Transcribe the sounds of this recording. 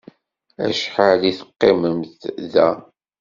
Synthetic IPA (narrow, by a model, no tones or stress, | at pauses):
æ̰ʃħaliθə̥qːiməmθðæ